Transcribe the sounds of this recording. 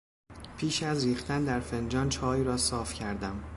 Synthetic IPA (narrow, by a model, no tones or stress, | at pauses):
pʰiːʃæzɾiːxt̪ʰænd̪æɾfe̞nd͡ʒɒːnt͡ʃʰɒːiːɾɒːsɒːfcʰæɾd̪æm